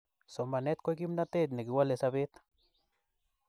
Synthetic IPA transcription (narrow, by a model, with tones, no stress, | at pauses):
sɔ˨ma˨nɛ˦t̪̚kɔ˦jk̬i˦mna˦t̪e˦˨t̪ne˨ki˨wa˦le˨sabe˦t̪